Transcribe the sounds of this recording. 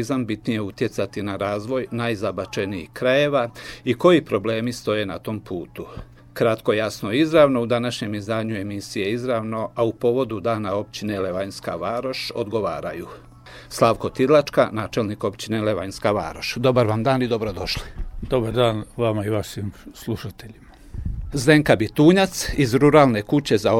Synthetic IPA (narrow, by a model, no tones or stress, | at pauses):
izambit̪nije̞ut̪je̞t̪sat̪inaɾaːzʋo̞jnajzabat͡ʃeniḭkɾaje̞ʋaiko̞jipɾo̞ble̞ːmist̪o̞je̞nat̪o̞mpʰuːt̪u | kɾat̪ko̞jasno̞izɾaʋno̞ud̪anaʃɲe̞mizd̪aːɲue̞misije̞izɾaʋno̞aupo̞ʋo̞d̪ud̪aːnao̞p̚t͡ɕine̞le̞ʋaɲska̰ʋaːɾo̞ʃo̞̰d̪ɡo̞ʋa̰ːɾa̰ju | slˠaʋko̞t̪id̪lˠat͡ʃkanaːt͡ʃe̞lniko̞pt͡ɕine̞leʋaɲskaʋa̰ːɾo̞ʃd̪o̞baɾʋamd̪aːnid̪o̞bɾo̞d̪o̞ʃli̥d̪o̞baɾd̪aːnʋamaiʋaʃiːmslˠuʃat̪eʎima | ze̞ŋkabit̪uːɲat̪sizɾuɾaːlˠne̞kut͡ɕe̞za